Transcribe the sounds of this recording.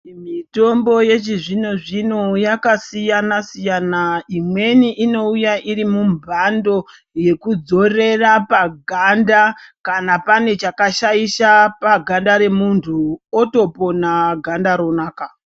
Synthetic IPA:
mito̞mbo̞je̞t͡ʃiʐino̞ʐinojakasijanasijanaimwe̞niʔino̞ujaʔiɾimumbʱando̞ | je̞kud͡zo̞re̞rapaɡʱandakanapane̞t͡ʃakaʃaiʃapaɡʱandaɾe̞muntʰuoto̞po̞naɡʱandaɾo̞naːka

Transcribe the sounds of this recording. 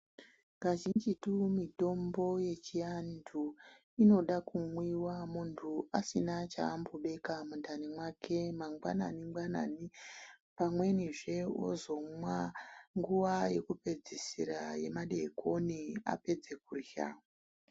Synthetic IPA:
ŋɡaʒind͡ʒitumito̞mbo̞je̞t͡ʃijandʰʱu | ino̞ɗakumwiwamuntʰuasinat͡ʃa̰ːmboɓe̞kamundʱanimwakʰe̞maŋɡwa̰na̰nimɡwana̰nipamwe̞niʐe̞o̰zo̞mwaŋɡuʋaje̞kupe̞d͡zisiɾaje̞̰maɗekonia̰pe̞d͡zek̚urja̰

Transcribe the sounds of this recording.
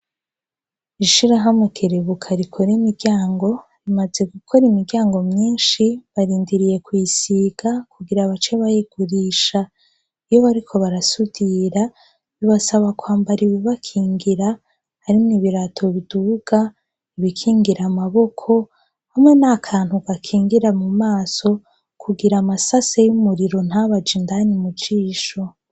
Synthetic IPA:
iʃiɾaɦamukʰeɾeβukʰaɾikʰo̞ɾemiɾɡɟaːŋɡo̞ | ɾimaze̞ɡukʰo̞ɾimiɾɡɟaːŋɡo̞mɲiːnʃiβaɾiːndiɾije̞kwisiɡ̥akuɡiɾaβat͡ʃe̞βajeɡ̥uɾiːʃa | ijo̞βaɾikʰo̞βaɾasud̥iɾa | βiβasaβakwaːmbaɾiweβakʰiːŋɡiɾa | haɾimniβiɾatʰo̞βiduɡ̥a | iβikʰiːŋɡiɾamaβo̞kʰo̞ | hamŋe̞nakʰaːn̥huɡakʰiːŋɡiɾamumaːso̞ | kʰuɡiɾamasasejumuɾiɾo̞n̥haβad͡ʒindanimut͡ʃiːʃo̞

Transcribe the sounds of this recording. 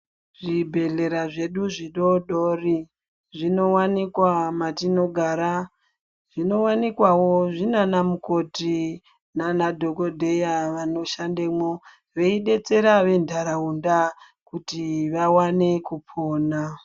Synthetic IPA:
ʐibʱe̞ɮe̞ɾaʐe̞ɗuʐiɗo̞ɗori | ʐino̞wanikwamatino̞ɡʱaɾa | ʐ̥ino̞wanikwawoʐinanamuko̞ti | nanadʱo̞ko̞dʱe̞jaʋano̞ʃandemwo | ʋe̞iɗe̞t͡se̞ɾaʋe̞ndʱaɾaunda | kutiʋawane̞kupʰoːna

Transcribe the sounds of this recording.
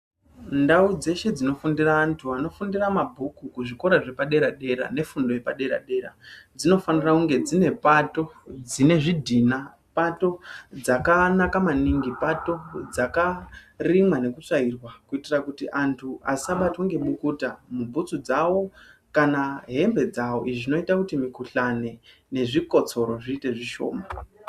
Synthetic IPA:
ndaud͡ze̞ʃe̞d͡zino̞fundiraːntʰuano̞fundiramabʱukukuʐiko̞ɾaʐe̞paɗe̞ɾaɗe̞ɾa̰ne̞fundo̞je̞paɗe̞ɾa̰ɗe̞ːɾa̰d͡zino̞fanirakuŋɡe̞d͡zine̞pato̞d͡zine̞ʐidʱina | pato̞d͡zakanakamaniŋɡipato̞d͡zakarimwane̞kut͡sairwakuitirakutiʔantʰuasaɓatoŋɡe̞ɓukutamubʱut͡sud͡zawo̞kanaɦe̞mbe̞d͡zawo̞ʔiʐino̞itakutimikuɬane̞ | ne̞ʐiko̞t͡so̞ɾo̞ʐiːte̞ʐiʃo̞̰ːma

